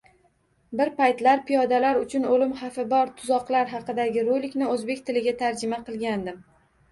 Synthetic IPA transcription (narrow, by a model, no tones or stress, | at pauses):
bɪɾpajt̪laɾpʰijɒd̪alaɾʊt͡ʃʰʊnolɪmχɑfɪbɒɾt̪ʰʊ̥zɒqlˠaɾɦɑqɨd̪aɡʲɪɾojlːɪkʲnɪɵzbe̞kʲt̪ʰɪlɪɡʲat̪ʰaɾd͡ʒɪmaqɨlˠɡʲand̪ɪm